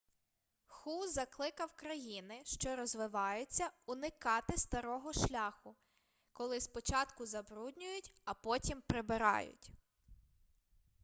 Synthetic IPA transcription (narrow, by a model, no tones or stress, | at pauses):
xuzɐklˠɪkɐwkɾɐjinɪʃt͡ʃɔɾɔzʋɪʋɑjʊt͡sʲːɐʊnɪkɑt̪ɪst̪ɐɾɔɦɔʃlʲɑxʊ | kɔlˠɪspɔt͡ʃɑt̪kʊzɐbɾudʲnʲʊjʊtʲɐpɔtʲimpɾɪbɪɾɑ̰jʊ̰tʲ